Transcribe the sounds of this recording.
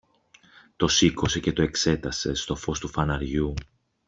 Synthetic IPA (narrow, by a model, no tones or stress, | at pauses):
t̪o̞siko̞se̞ce̞t̪o̞e̞kse̞t̪ɐse̞st̪o̞fo̞st̪ufɐnɐɾʝu